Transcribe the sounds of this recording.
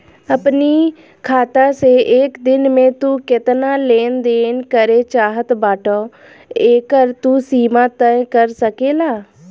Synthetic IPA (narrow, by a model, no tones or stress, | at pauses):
əpni | kʰaːt̪aseʔeːkd̪ɪnmẽt̪uːkɪt̪naːleːnd̪eːnkəɾet͡ʃaːɦət̪baːʈʰoː | eːkəɾt̪uːsiːmãt̪ə̃kəɾsəkeːlaː